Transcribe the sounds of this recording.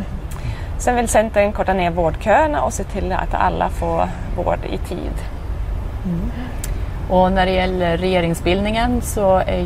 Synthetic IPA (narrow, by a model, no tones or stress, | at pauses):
sɛnvɪlsɛnt̪aɛnkʰɔʈːaneːɾvoːɖkʰøːəɳaʔɔseːt̪ʰɪld̪ɛʔa̰t̪ʰa̰lːa̰foː | vo̰ːɖɪ̰t̪ʰḭːd̪ | ʔɔnæɖɛjɛlːəɾɛjeːɾɪŋsbɪld̪ɪŋənsɔæ